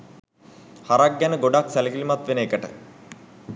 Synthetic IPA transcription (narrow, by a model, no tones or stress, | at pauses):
hɐɾaɡjanɨɡoɖaːksɐlɐkilimɐt̪ːʋenekːɐʈə̰